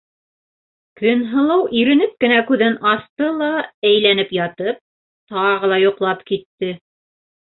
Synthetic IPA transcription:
kɵ̆nɦɤ̆lˠɑwʔiɾɘ̆nɘp̚kɘ̆nækʉðɘnɑθt̪ɤlˠɑæjlænɘpjɑt̪ɤp̚ | t̪ɑʁɤ̆lˠɑjŏqlˠɑpkit̪ːɘ

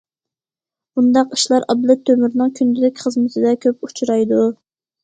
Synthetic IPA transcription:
b̥und̪ɑqi̥ʃlˠɑɾʔɑblˠɨt̪ʰːømyɾnɨŋkʲʰynd̪ɪd̪ɪkʲχəzmɪt̪ʰɪd̪ɛkʲʰøput͡ʃʰuɾɑjd̪u

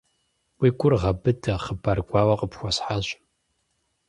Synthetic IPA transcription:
wiːɡʷʼʊrʁɐbɨdʰɐχəbɐrɡʷaːwɐqʼəpxʷɔsħaɕ

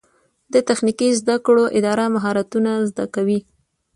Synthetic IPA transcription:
d̪ət̪axnikizd̪akɽoʔɪd̪ɑɾamaɦɑɾat̪unazd̪akawi

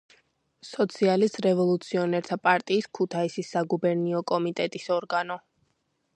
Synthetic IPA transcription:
sɔt̪sʰialist̪ɾɛvɔlˠut̪sʰiɔnɛɾt̪ʰapʼaɾt̪ʼiːskʰut̪ʰaisisːaɡubɛɾniɔkʼɔmit̪ʼɛt̪ʼisɔɾɡanɔ

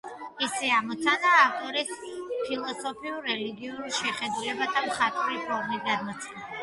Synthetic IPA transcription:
isɛamɔt̪sʰanaːft̪ʼɔɾispʰilˠɔsɔpʰiuɾɛliɡiuɾʃɛχɛd̪ulɛbat̪ʰamχat̪ʼvvipʰɔɾmit̪̚ɡad̪mat̪sʰʼχɛna

